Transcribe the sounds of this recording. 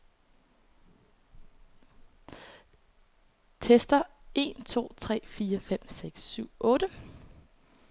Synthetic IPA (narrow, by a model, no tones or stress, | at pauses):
t͡sʰesd̥ɐe̝ːnt͡sʰo̝̰ːt͡sʰʁɛ̰ːfiːɐfem̰seɡ̥syʊ̰ʔɔ̽ːɾ̥ə